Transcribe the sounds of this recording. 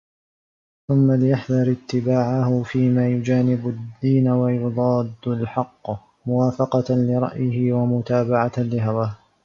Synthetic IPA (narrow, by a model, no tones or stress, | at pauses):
θʊmːalɪjaħðˤɑɾˤɪt̪ːɪbaːʕahʊfiːmaːjʊd͡ʒaːnɪbʊd̪ːiːnawajʊd̪ˤɑːd̪ːʊlħɑqː | mʊwaːfɑqɑlɪɾˤɑ̰ʔjɪhɪwamʊt̪aːbaʕalɪɦawaːh